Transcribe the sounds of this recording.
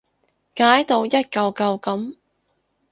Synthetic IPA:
kaː˨˥jt̪o˧wjɐ˥t̚kɐ˧wkɐ˧wkɐ˨˥m

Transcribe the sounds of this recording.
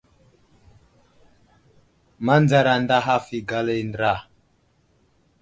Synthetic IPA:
ma˦nd͡za˦ɾa˨nda˦ɦa˦fi˨ɡa˦le˦ndɾa˦˨

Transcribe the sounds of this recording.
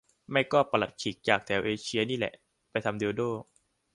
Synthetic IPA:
ma˥˩jkɔː˥˩pa˧la˨˩t̪̚t͡ɕʰiː˨˩˦k̚t͡ɕaː˨˩k̚t̪ʰɛː˧wʔeː˧t͡ɕʰi˧ɐniː˥˩lɛ̰˨˩ʔ | pa˧jt̪ʰa˧mde˧doː˥˩

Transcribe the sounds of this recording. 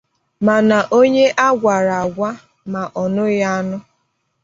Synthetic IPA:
ma˨na˨ʔo˦ɲe˦ʔa˦ɡʷa˨ɾa˨a˨ɡʷa˦ | ma˨ʔɔ˨nʊ˦ja˦a˦nʊ˦

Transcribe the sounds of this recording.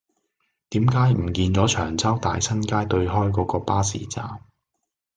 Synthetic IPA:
t̪iː˨˥mkaː˨˥jm̩˨˩kiː˧nt͡sɔː˨˥t͡ʃʰœː˨˩ŋt͡sɐ˥wt̪a̰ː˨jsɐ˥nkaː˥jt̪ɵ˧ɥɦɔː˥jkɔː˨˥kɔː˧paː˥sḭː˨˩t͡sa̰ː˨m

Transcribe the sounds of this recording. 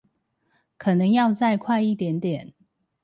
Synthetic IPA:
kʰɤ˨˩nə˨˦ŋjɑ˥˧ʊt͡sa˥˧ɪkʰwa˥˧ɪi˥˨t̪jɛ˨˦˥nt̪jɛ˨˩˦n

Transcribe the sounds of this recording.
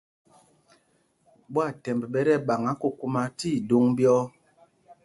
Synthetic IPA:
ɓwa˦˨tɛ˨mbɛ˨ɓɛ˦ɾɛ˦ɓa˨ŋa˨˦ku˦ku˦ma˨ti˦˨du˨˦ŋbjɔ˦

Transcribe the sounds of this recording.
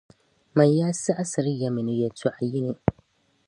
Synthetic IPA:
ma˨jːaː˦si˦ʔa˦sɐ˨ɾɪ˦jːa˨mɪ˨nɪ˦ja˨to˦ʔa˨jɪ˦ni˨

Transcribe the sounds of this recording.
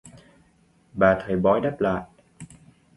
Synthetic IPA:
ɓaː˨˩t̪ʰə˨˩jɓɔ˧˥jɗa˦˥p̚la̰ː˧˨jʔ

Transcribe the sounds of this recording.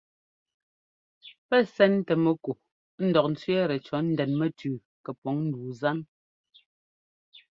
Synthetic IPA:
pɛ˦sɛ˦n˦tɛ˨mɛ˦ko˨ | n̩˦dɔ˨k̚n̩˨˦t͡sɥɛ˦ɾɛ˨t͡ʃɔ˨˦n̩˦dɛ˨nmɛ˦tʰʉː˨ | kɛ˨pɔ˨˦ŋn̩˦˨duː˨za˦n

